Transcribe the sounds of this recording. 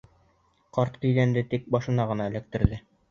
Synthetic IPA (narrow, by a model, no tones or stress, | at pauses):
qɒɾt̪k̪ɵ̆jðænd̪ɘt̪ik̚bɒʃɤ̆nɑʁɤ̆nɑɘ̆læk̚t̪ɘ̆ɾðɘ